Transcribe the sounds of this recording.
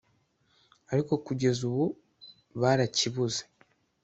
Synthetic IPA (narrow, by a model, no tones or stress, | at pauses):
aɾiko̞kuɟe̞zuβu | βaɾaciβuze